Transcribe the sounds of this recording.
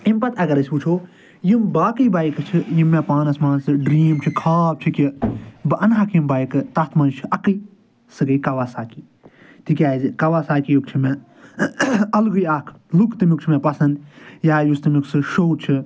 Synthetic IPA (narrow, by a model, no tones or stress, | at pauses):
impɐt̪ʰɐɡɐɾɐsʲput͡ʃʰoː | jimbaːkɨbaːjikɨt͡ʃʰijimːẽpaːnɐsmaːnsɨɖɾiːmt͡ʃʰɨkʰaːp̚t͡ʃʰikʲibɨʔɐnɦakʰjimbaːjikɨt̪ɐt̪ʰmɐnt͡ʃʰiʔɐkɨ | sɨɡɐkɐʋaːsaːkiː | t̪ikʲjaːzikɐʋaːsaːkijukt͡ʃʰime | ɐlɡujaːkʰ | lukt̪ɨmjukt͡ʃʰimẽpɐsɐnd̪jaːjust̪ɨmjuksɨʃoːt͡ʃʰi